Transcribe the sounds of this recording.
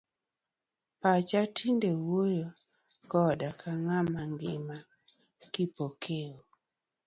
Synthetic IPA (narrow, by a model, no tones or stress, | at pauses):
pat͡ʃatʰindewojo | kɔdakʰaŋamaŋɡɪma | kipokʰeo